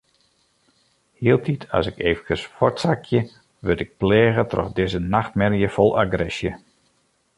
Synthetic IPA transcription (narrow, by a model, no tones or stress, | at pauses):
hiːəlˠtitʰɑ̰sɪkʰeːvəkəsfɔɹtsakʰjə | ʋøtɪk̚plɛːɣətrɔ̰fdɪzənaxt̚mɛrjəfɔlˠʔaɡrɛsjə